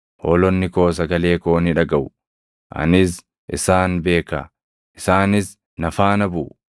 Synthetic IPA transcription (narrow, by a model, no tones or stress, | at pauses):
hoːlɔnːɪko̞ːs̬ɐɡɐle̞ːkoːnɪᶑɐɡɐʔʊ | ʔɐ̰nɪs | ʔɪsaːnbe̞ːkɐ̰ | ʔɪsaːnɪs | nɐfaːnɐbuː